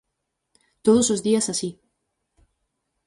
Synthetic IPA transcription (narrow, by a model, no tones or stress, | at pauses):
t̪oð̞osozðiɐsasi